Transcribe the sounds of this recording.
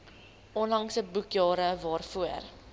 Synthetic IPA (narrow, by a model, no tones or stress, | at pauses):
ɔnlɐŋsəbukjɑːɾəvɑːrfuər